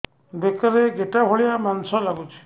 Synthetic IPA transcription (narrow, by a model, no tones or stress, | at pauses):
bekɔɾeɡeʈabʱɔɭijamansɔlaɡut͡ʃʰi̥